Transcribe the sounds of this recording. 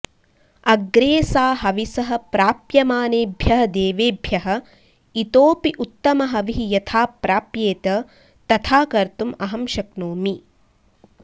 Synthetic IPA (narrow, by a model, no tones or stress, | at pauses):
ɐɡɾeːsaːɦɐʋisɐɦɐ̆pɾaːpjɐmaːneːbʱjɐɦɐd̪eːʋeːbʱjɐɦɐ̆ | it̪oːpiʔut̪ːɐmɐɦɐʋiɦijɐt̪ʰaːpɾaːpjeːt̪ɐ | t̪ɐt̪ʰaːkɐɾt̪umɐɦɐmʃɐknoːmi